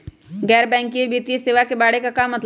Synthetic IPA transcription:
ɡɛːɾbɛ̃ːŋkiebeːt̪ijeseːʋakebaːɽekakaːmːɐt̪

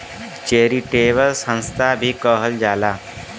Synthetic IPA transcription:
t͡ɕeɾiːʈeʋəlsə̃ñst̪ʰabʱiːkəɦəld͡ʒala

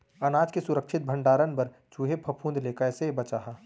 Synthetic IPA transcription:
ɐnaːd͡ʒkesʊɾəkʃʰɪt̪̚bʱə̃ɳɖaːɾənpɐɾ | t͡ʃuːɦepʰɐpʰũːnd̪leːkəsebɐt͡ʃaːɦaː

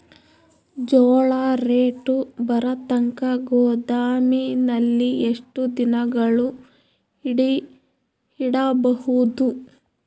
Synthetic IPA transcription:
d͡ʒɔːɭaːɾeːʈubɐɾɐt̪ɐŋkɐɡɔːd̪aːminɐlːieʂʈud̪inɐɡɐɭu | iɽi | iɽɐbɐhud̪u

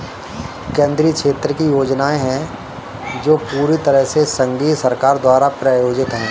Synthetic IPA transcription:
kẽːnd̪ɾiːkʃeːt̪ɾəkijoːd͡ʒnaːeɦɛ̃ | d͡ʒoːpuːɾit̪əɾəɦsesə̃ŋɡiːt̪sɐɾkaːɾd̪waːɾapɾaːjoːd͡ʒɪt̪ɦɛ̃ː

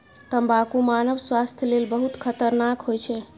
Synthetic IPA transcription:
t̪əmbakumanəʋswast̪ʰjlelbəɦut̪kʰət̪əɾnakɦojt͡ʃʰɛ

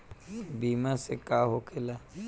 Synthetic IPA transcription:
biːmasekaːɦokʰɪlaː

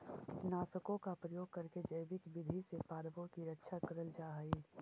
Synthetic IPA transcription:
kt͡ʃɪnaːsəkõkapɾəjoːɡ̚kɐɾked͡ʒəjbɪkbɪd̪ʱisepaːɾbõkiɾətːʃʰakɐɾəld͡ʒaːɦəi

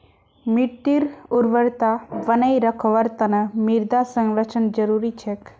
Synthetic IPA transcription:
miʈːiɾuɾʋəɾt̪aʋənəjɾəkʰoʋəɾt̪ənəmiɾd̪asəŋɾət͡ʃʰənd͡ʒəɾuɾit͡ʃʰek

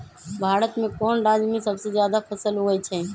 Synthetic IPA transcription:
bʱaːɾət̪mẽːkɔːnɾaːzmĩsəbsezjaːd̪apʰəsəlɦoːɡəit͡ʃʰɛ̃ː

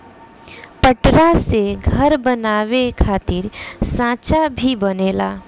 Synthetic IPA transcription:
pəʈɾaseɡʱəɾbənaːʋekʰaːt̪ɪɾsãːt͡ʃabʱibɐneːla̰ː

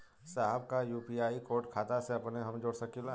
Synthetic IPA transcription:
saːɦbkajuːpiaːikoːɾʈkʰaːt̪aseɐpneɦɐmd͡ʒoːɽsɐkʰila

